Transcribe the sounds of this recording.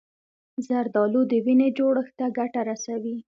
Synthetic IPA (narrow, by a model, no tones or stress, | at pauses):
zaɾd̪ɑlod̪əwined͡ʒoɽəxt̪aɡaʈaɾasawi